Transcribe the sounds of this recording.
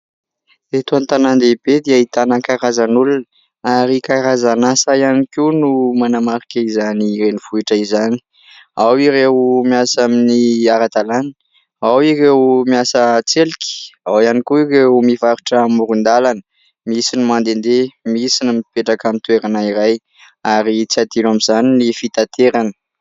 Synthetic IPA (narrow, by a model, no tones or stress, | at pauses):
d̪et̪oant̪anand̪ebed̪eait̪anakaɾazanulunə | aɾikaɾazanasajanikinumanamaɾikaizanirenifuiʈ͡ʂəizani̥ | awiɾewmiasaminiaɾad̪alanə | awirewmiasət͡selikʲi̥awianikuirewmivaɾuʈ͡ʂəmuɾund̪alanə | misinimand̪end̪emisinimipeʈ͡ʂakamit̪ueɾanaiɾaj | aɾit͡siat̪inamizaninifit̪at̪eɾanə̥